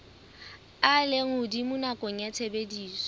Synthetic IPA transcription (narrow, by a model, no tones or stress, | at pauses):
aleŋʊdimʊnakʼɔŋ̩jat͡sʰebediːsɔ̥